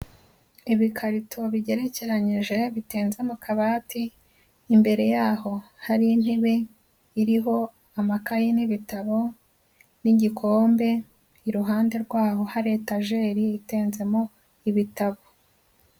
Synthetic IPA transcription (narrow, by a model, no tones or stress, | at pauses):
iβikʰaɾitʰo̞βiɟe̞ɾe̞ce̞ɾaɲiʒe̞βiteːnzemokʰaβaːtiː | mbe̞ɾe̞jaːho̞ | haɾinheβe | iɾiɦo̞ | amakajiniβitaβo̞ | niɟikʰo̞ːmbe̞ | iɾuɦaːnde̞ɾɡwaːɦo̞haɾe̞ːtaʒe̞ːɾiiteːnze̞mo | iβitaβo